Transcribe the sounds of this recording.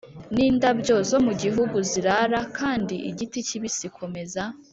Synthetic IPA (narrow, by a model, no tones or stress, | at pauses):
niːndabɟo̞zo̞muɟiɦuɡuziɾaɾakʰaːndiʔiɟiticiβisikʰo̞me̞za